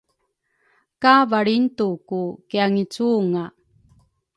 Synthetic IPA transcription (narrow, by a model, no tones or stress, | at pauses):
kavaɭintukukiaŋit͡suŋa